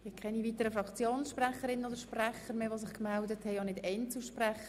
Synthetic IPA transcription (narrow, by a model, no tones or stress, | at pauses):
ɪkʰɛniviːtəɾəfɾɑkt͡sjoːnsʃprɛχəɾɪnnodəɾʃprɛχəɾmeːʋosɪχkmɛldəthɛɪjɑnɪdɛnt͡suʃprɛχə